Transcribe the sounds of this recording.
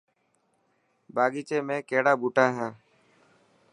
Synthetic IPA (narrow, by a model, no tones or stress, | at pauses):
baːɠiːt͡ʃeːmẽːkeːɽaːbuːʈãːɦãː